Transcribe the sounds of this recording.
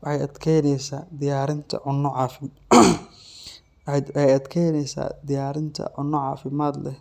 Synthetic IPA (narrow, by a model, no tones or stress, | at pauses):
ħɛjɐd̪kʰɛjnɛjsaːd̪ɪjaːɾɪnt̪ʰɐ̰ʕʊnːɔʕɑːfɪm | ɛjɐd̪kʰɛjnɛjsa̰ːd̪ɪjaːɾɪnt̪ʰɐ̰ʕʊnːɔʕɑ̰ːfɪmaːd̪lɛ